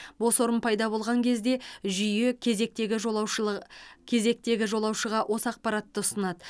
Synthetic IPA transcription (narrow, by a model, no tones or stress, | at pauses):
bo̞swo̞ɾənpʰɑjd̪ɑbo̞lˠʁɑŋkʲʰe̞zd̪e̞ʒʏjekʲʰek̚t̪eɡʲɪʒw | kʲʰe̞ze̞k̚t̪e̞ɡʲɪʒo̞lˠɑwʃəʁɑʔwʔo̞səɑq̚pɑɾɑt̪ːəʊsənɑd̪ə